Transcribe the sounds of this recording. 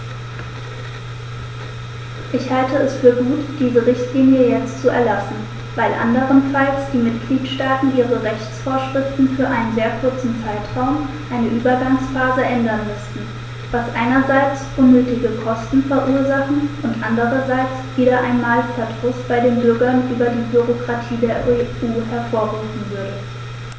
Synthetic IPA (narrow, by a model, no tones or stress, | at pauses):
ʔɪçhaltəɛsfyːɐɡuːtd̥iːzəʁɪçtliːnjəjɛt͡stt͡suɛ̰ɐlasn̩ | vaɪlʔa̰ndəʁ̞ənfalt͡sd̥iːmɪtɡ̥liːtʃtaːtn̩ʔiːʁəʁɛçt͡sfoːɐʃʁ̥ɪftn̩fyːɐʔaɪnənzeːɐkʰʊɐt͡sn̩t͡saɪtʁ̥aʊm | ʔaɪnəʔyːbɐɡaŋsfaːzəʔɛndɐnmʏstn̩ | v̥asʔaɪnɐzaɪt͡sʔʊnːøːtɪɡəkʰɔstn̩fɛɐʔuːɐzaχn̩ʔʊntʔandəʁɐzaɪt͡sv̥iːɾɐʔaɪnmaːlfɛɐdʁ̥ʊstb̥aɪdeːnbʏɐɡɐnʔyːbɐdiːbyʁokʁ̥atʰiːdeːɐʔeuːhɛɐfoːɐʁuːfm̩vʏɐdə